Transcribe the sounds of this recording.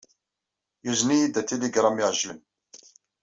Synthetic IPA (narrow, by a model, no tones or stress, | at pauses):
juznijid̪æt̪eliɡɾˤɑmiʕʒin